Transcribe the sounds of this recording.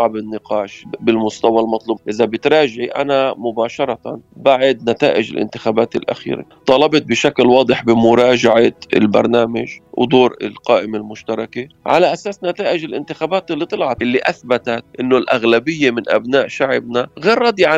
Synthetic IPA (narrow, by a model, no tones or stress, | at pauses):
ɑʕbɪnːɪqɑːʃbɪlmʊst̪awalmɑt̪ˤluːbʔɪzabɪt̪ɾˤɑːʒɪʕiʔa̰namʊbaːʃɑɾˤɑt̪a̰nbaʕɪd̪nat̪a̰ːʔɪʒɪ̰lʔɪ̰nt̪ɪxaːbaːt̪ɪlʔa̰xḭːɾḛt̪ˤɑːlɑbɑt̪̚bɪʃaklwɑːd̪ˤɨħbɪmʊɾˤɑːʒaʕat̪ɪ̰lbɑ̰ɾˤnaːmaʒwd̪oːɾɪ̰lqɑːʔɪmelmʊʃt̪ɑɾˤɑkeʕalaʔasaːsnat̪aːʔɪʒɪlʔɪ̰nt̪ɪxaːbaːt̪ɪlːit̪ˤɨlʕɑʔɪlːiʔaθbat̪at̪ʔɪnːolʔaɣlabɪjːemɪnʔa̰bnaːʔʃaʕɪbnaɣeːɾˤːɑːd̪iʕa